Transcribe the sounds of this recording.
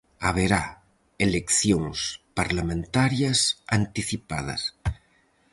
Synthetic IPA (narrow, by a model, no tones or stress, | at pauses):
aβeɾa | elekθjoŋspaɾlamẽnt̪aɾjasant̪iθipað̞a̰s